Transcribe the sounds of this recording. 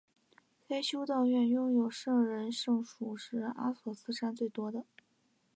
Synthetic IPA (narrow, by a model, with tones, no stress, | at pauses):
fe˥ɪɕʰjo˥ʊt̪ɑ˥˧ʊɥɛ˥˧njʊ˥˩ŋjo˨˩ʊʂɤ˥˩ŋɻə˧˥nʂɤ˥˩ŋʂu˨˩ʂɻ̩˧˥˩a̰˥swɔ˨˩sɹ̩˥˧ʂa˥nt͡swe˥˩ɪt̪wɔ˥d̪ə˨